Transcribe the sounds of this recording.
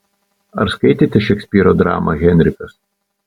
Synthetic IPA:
ɐ̰ɾskɐɪt̪ʲɪt̪ʲɪʃʲɛksʲpʲiːɾod̪ɾɑ̰ːmɐ̰ɣʲɛnʲɾʲɪkɐs

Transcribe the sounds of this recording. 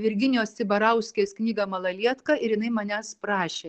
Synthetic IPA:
ʋʲɪɾʲɡʲɪnʲjoːsʲsʲɪbɐɾɐʊsʲkʲeːsknʲiːɡɐmɐlˠɐlʲiɛt̪kɐɪɾjɪnɐɪmɐnʲæspɾɑːʃʲeː

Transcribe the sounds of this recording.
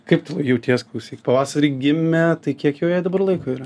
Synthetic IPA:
kɐɪp̚t̪ɐlˠjɛʊt̪ʲiɛsklˠɐʊsʲiːkʲpɐʋɑːsɐɾʲiːɡʲɪmʲɛt̪ɐɪkʲiɛkjɛʊjɛɪd̪ɐbɐrlˠɐɪkoːiːɾɐ

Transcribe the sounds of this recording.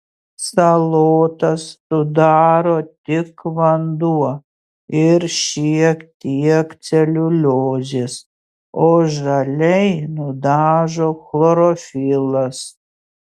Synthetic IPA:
sɐlˠoːt̪ɐssʊd̪ɑːɾoːt̪ʲɪkʋɐnd̪uɔ | ɪɾʃʲiɛkt̪ʲiɛkt̪sʲɛlʲʊlʲoːd͡zʲes | oːʒɐlʲɛɪnʊd̪ɑːʒoːxlˠoɾoːfʲɪlˠɐs

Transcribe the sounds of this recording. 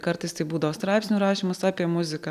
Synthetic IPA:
kɐɾt̪ɐɪst̪ɐɪbuːd̪ɐʋoːst̪ɾɑɪpsʲnʲuɾɑːʃʲimʊsɑːpʲiɛmʊzʲɪkɐ

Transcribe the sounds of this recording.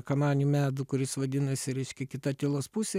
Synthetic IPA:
kɐmɑːnʲumʲæːd̪uːkʊɾʲɪsʋɐd̪ʲɪnɐsʲɪɾʲɛɪʃʲkʲɛkʲɪt̪ɐt̪ʲɪlˠoːspusʲe

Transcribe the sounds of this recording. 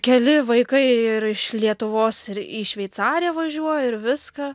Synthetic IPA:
kʲɛlʲɪʋɐɪkɐɪɪɾɪʃlʲiɛt̪ʊʋoːsɪɾiːʃʲʋʲɛɪt̪sɑːɾʲɪjɛʋɐʒʲuɔjoɪɾʋʲɪskɐ

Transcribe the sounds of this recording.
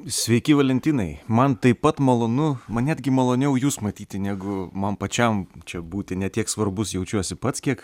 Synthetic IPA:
sʲʋʲɛɪkʲɪʋɐlʲɛnʲt̪ʲiːnɐɪmɐnt̪ɐɪpɐt̪mɐlˠoːnʊmɐnnʲæːd̪ʲɡʲɪmɐlˠoːnʲɛʊjuːsmɐt̪ʲiːt̪ʲɪnʲæːɡʊmɐnpɐt͡ʃʲɛmt͡ʃʲɛbuːt̪ʲɪnʲɛt̪ʲiɛksʋɐrbʊsjɛʊt͡ʃʲuɔsʲɪpɐt̪skʲiɛk

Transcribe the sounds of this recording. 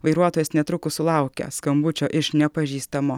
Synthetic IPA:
ʋɐɪɾuɔt̪oːjɛsnʲɛt̪ɾʊkʊsʊlˠɑˑʊkʲɛ̰skɐmbʊt͡ʃʲoːʔɪʃnʲɛpɐʒʲiːst̪ɐmo

